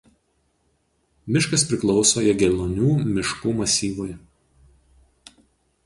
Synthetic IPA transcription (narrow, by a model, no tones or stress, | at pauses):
mʲɪʃkɐspʲɾʲɪklˠɒʊsoːiɛɡʲɛlʲˠonʲuːmʲɪʃkuːmɐsʲiːʋoj